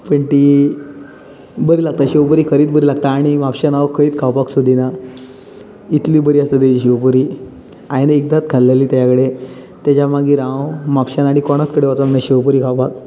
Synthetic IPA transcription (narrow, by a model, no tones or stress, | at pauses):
pəɳt̪i | bəɾiːlaɡ̚t̪aɕewpəɾiːkʰəɾiːt̪̚bəɾiːlaɡt̪aːɽ̃imapɕanaʋəkʰːəiːt̪kʰawpaksud̪ʱina | it̪liːbəɾiːəst̪ət̪et͡ɕiɕewp̬əɾiː | ajnek̚d̪at͡s̪ɡʱalːeliːt̪jaakəɽe | t̪jat͡ɕamaɡiːɾãwmapɕanaɽ̃ikɔɽ̃at͡skəɽeʋat̪amnaɕewpəɾiːkʰawpak̚